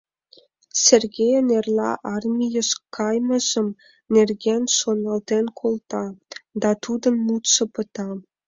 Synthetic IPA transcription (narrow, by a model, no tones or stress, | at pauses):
sʲerɡʲejnerlʲɑ̰ʔɑrmʲijə̆ʃkɑjmɤ̆ʒə̆m | nʲerɡʲenʲʃonɑlt̪enʲkʰolˠt̪ɑd̪ɑt̪ud̪ɤ̆nmut̪ʃɤ̆pɤ̆t̪ɑ